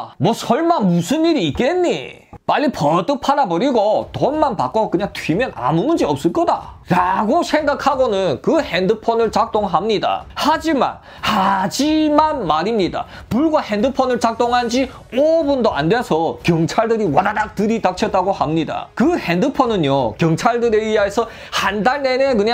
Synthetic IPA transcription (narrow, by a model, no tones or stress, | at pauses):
mwʌsʰʌɭmanmusʰɯnːiɾiːt̚k͈enːḭ | maʎːipʌt͈ɯk̚pʰaɾabʌɾiɡotʌnmanpa̰k͈okɯɲaŋtʰɥimjʌna̰munɯnd͡ʑiʌp̚s͈ɯɭk͈ʌda̰ɾaɡosʰe̞ŋɡakʰaɡonɯnkɯhendɯpʰʌnɯɭt͡ɕak̚t͈oŋɦamɲida̰had͡ʑima̰n | had͡ʑimanmaɾimɲida̰ | puɭɡwahendɯpʰʌnɯɭt͡ɕak̚t͈oŋɦand͡ʑi | obundoa̰ndwesʰʌkjʌŋt͡ɕʰaɭdɯɾiwʌnadak̚tɯɾitak̚t͡ɕʰʌt͈aɡohamɲida̰kɯhendɯpʰʌnɯnjokjʌŋt͡ɕʰaɭdɯɾe̞iaesʰʌ | handaɭnene̞kɯɲa